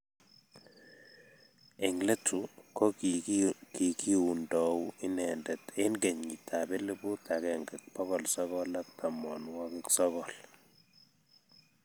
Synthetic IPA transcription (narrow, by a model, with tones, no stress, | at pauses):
e˨ŋle˦tʰu˨kɔ˦ | ki˨ki˦u˨ndɔ˨wɪ˦nɛ˨ndɛ˨te˦nɡe˨ɲŋi˨tʰa˨be˦le˦bu˦ta˨kɛ˨ŋɡɛ˨k̚pɔ˦ɣɔ˨lsɔ˦ɣɔ˦la˦k̚ta˨mɔ˨nwɔ˦ki˦ksɔ˦kɔ˨l